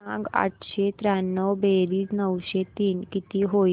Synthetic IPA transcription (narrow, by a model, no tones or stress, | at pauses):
ãɡa̰ʈʰɕet̪ɾanːəwbeɾiːsnəwɕet̪iːnkit̪iːɦo